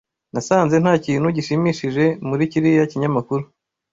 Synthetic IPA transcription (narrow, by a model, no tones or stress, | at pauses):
nasaːnze̞n̥haːciːnhuɟiʃimiʃiʒe̞muɾiciɾijaciɲamakuɾu